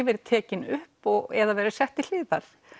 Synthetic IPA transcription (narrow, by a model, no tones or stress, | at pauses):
vɛːɾt̪ʰɛːcɪnʏhpɔɣɛðavɛːɾɪ̥sɛht̪ɪl̥ɪːðaɾ̥